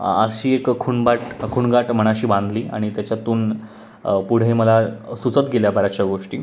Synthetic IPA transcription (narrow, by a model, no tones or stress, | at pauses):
əɕiːekkʰuɳbaʈkʰuɳɡaʈm̤əɽ̃aɕiːbãnd̪liːa̰ɽ̃it̪jat͡ɕjat̪uːn | puɽ̤eməlasut͡sət̪ɡʱeljabʱaɾat͡ɕjaɡoʂʈiː